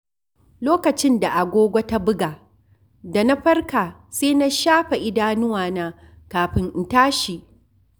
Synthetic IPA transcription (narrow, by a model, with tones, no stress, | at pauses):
loː˦kɐ˨t͡ʃɪ˦nda˨ʔa˨ɡʷoː˦ɡʷa˦ta˦bʊ˦ɡaː˨ | da˨na˦ɸɐ˦rkaː˨seː˦na˦ʃaː˦ɸa˨ʔɪ˦daː˦nʊ˦waː˨naː˦ | kaː˨ɸɪ˦ŋʔɪ˨ntaː˦ʃi˨ʔ